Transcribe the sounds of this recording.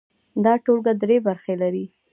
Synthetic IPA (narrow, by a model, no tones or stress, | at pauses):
d̪ɑʈolɡad̪ɾebaɾxelaɾi